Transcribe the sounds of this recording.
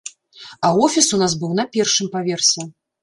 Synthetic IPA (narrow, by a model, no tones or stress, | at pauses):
ɐwɔfʲisunasbɨwnɐpʲɛrʂɨmpavʲɛrsʲɛ